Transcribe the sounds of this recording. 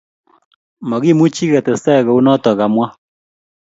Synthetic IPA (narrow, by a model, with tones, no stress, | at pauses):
mɔ˨ɡi˦˨mu˦t͡ʃi˦ɡɛ˨tɛ˨sɛ˦˨ɣɔ˨u˦nɔ˦tɔ˨ka˨mwa˦